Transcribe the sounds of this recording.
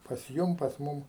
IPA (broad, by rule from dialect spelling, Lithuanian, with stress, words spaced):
pɐs ˈjʊm pɐs ˈmʊm